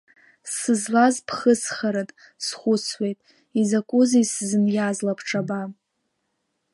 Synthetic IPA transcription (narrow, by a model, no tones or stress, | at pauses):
sɨzlazpʰχəsχaɾatʼ | sχʷʊt͡sʰwe̞jtʼ | izakʷʼʊziszɨnjazlapʰʈ͡ʂʰaba